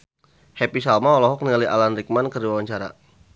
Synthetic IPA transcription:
hɛpisalmaɔlɔɦɔk̚niŋaliʔa̰lanrik̚mankərdiwawaɲt͡ʃaɾa̰

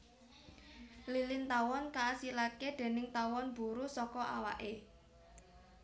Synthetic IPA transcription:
lilɪnt̪awɔnkaːsilakeɖ̪̥e̤nɪŋt̪awɔnb̥ṳɾusɔkɔʔawaʔe

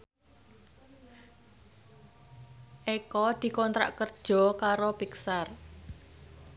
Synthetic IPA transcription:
ʔekɔd̪̥i̤kɔnt̪ɾa̰ʔkərd̥ʒ̥ɔ̤kaɾopiksar

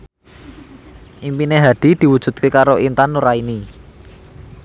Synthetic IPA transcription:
ʔimpineɦad̪̥i̤d̪̥i̤wud̥ʒ̥ṳt̪̚kekaɾoʔint̪anːuɾaini

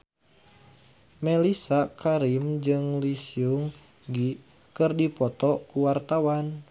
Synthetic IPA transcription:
mɛlisakʰaɾimd͡ʒɨŋlisiuŋ | ɡi | kɨrdipɔt̪ɔkuwart̪awan

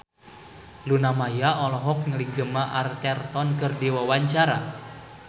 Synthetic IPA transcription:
lunamajaɔlɔɦɔk̚ŋəliɡəmaʔart̪ɛrt̪ɔnkərdiwawaɲt͡ʃaɾa

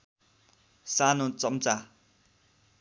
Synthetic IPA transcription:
sanot͡sʌmt͡sa

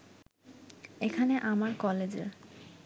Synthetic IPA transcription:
ekʰaneʔamaɾkɔled͡ʑḛɾ

